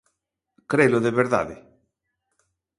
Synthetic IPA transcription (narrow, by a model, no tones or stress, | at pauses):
kɾeloðeβeɾða̰ðḛ